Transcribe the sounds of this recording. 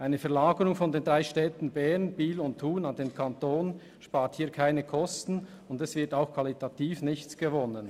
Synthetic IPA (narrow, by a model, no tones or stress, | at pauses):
ʔaɪnəfɛɐlaːɡəɾʊŋfɔndeːndʁaɪʃtɛːtn̩bɛʁnb̥iːlʊnttʰːuːnandeːnkʰɑntoːn | ʃpaːɾthiːɐkʰaɪnəkʰɔstn̩ | ʊndɛsv̥ɪɐtaʊxkʰv̥ɑlitʰatiːfnɪçt͡sɡ̥əvɔnən